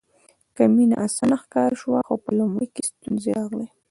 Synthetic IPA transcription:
kamina̰ʔasanaxkɑɾʃwaxopəlʊmɽekest̪unzeɾaɣle

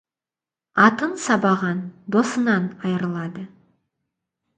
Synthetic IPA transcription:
ɑt̪ənsɑbɑʁɑnd̪o̞sənɑnɑjəɾəlˠɑd̪ə

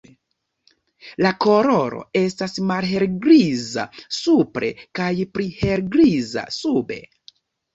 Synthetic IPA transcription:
lako̞ɾo̞ɾo̞̰e̞stasmalɦe̞ɾɡɾiza̰supɾe̞̰kajpɾihe̞ɾɡɾiza̰sube̞̰

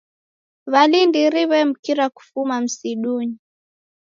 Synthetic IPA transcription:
βalindiɾiβɛm̩kiɾaku̥fumam̩siɗuɲi

